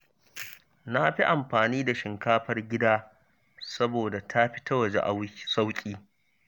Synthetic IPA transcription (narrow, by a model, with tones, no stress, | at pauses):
na˦ɸi˦ʔa˨mɸaː˨niː˦da˨ʃɪ˨ŋkaː˦ɸɐ˦rɡʲɪ˦daː˦ | sɐ˦boː˨da˨tʰa˦ɸɪ̥˦ta˦wɐ˨d͡ʒḛ˦ʔa˦sa˦wkʲʼiː˦